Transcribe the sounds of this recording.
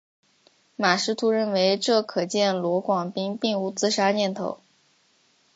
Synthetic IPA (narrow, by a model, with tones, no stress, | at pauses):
ma˨˩ʂɻ̩˧˥t̪ʰu˧˥ɻə˥˩nwe˧˥ɪʈ͡ʂɤ˥˩kʰɤ˨˩t͡ɕjɛ˥˩nlwɔ˧˥kwɑ˨˩ŋpi˥ŋpi˥˩ŋu˧˥t͡sɹ̩˥ʂa˥njɛ˥˩nt̪ʰo̰˧˥ʊ